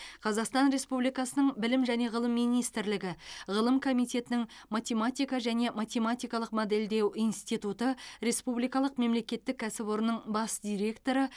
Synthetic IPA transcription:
qʰɑzɑqst̪ɑnɾe̞spublijkɑsənəɴbɪlɪmʒæne̞ʁəlˠəmːijnijst̪ɪɾlɪɡʲɪʁəlˠəmkʰo̞mijt̪ʲe̞t̪ɪnɪŋmat̪ʲe̞mat̪ijkɑʒæne̞mat̪ʲe̞mat̪ʲijkɑlˠəqmod̪e̞ld̪e̞wijnst̪ijt̪ut̪əɾe̞spublijkɑlˠəqme̞mle̞kʲe̞t̪ːɪk̚ʲːʰæsɪbo̞ɾənːəɴbɑsd̪̥ʲijɾʲe̞kt̪o̞ɾə

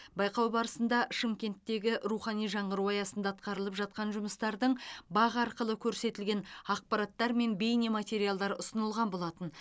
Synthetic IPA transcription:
bɑjqɑwbɑɾəsənd̪ɑʃɪmkʲe̞nt̪ːe̞ɡʲɪʔɾuχɑnijʒɑɴəɾuwɑjɑsənd̪ɑːt̪̚qɑɾəlˠəpʒɑt̪̚qɑnʒʊməst̪ɑɾd̪əɴbɑʁɑɾqəlˠəkʲʰɵɾse̞t̪ɪlɡʲe̞nɑq̚pɑɾɑt̪ːɑɾme̞nbe̞jnemat̪ʲe̞ɾijalˠd̪ɑɾʊsənəlˠʁɑnbo̞lˠɑt̪ən

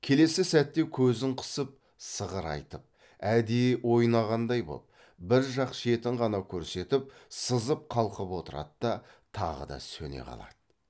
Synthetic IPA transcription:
kʲʰe̞le̞sɪsæt̪ːe̞kʲʰɵzɪɴqʰʊ̥səp̚ | səʁəɾɑ̰jt̪əp̚ | æd̪ejwo̞jnɑʁɑnd̪ɑjbo̰lˠəp | bɪɾʒɑqʃe̞t̪ɪɴʁɑnɑkʲʰɵɾse̞t̪ɪp̚səzəp̚qʰɑlˠqəpwo̞t̪əɾɑ̰t̪d̪ɑ | t̪ʰɑ̰ʁə̰d̪ɑ̰sɵ̰ne̞̰qʰɑ̰lˠɑ̰d̪̥ə

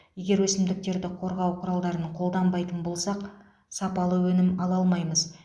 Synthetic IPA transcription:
je̞ɡʲe̞ɾwɵsɪmd̪ɪk̚t̪e̞ɾd̪ɪqʰo̞ɾʁɑwqʰʊɾɑlˠd̪ɑɾənqʰo̞lˠd̪ɑmbɑjt̪ənbo̞lˠsɑq | sɑpɑlˠəwɵnɪmɑlˠɑlˠmɑjməz

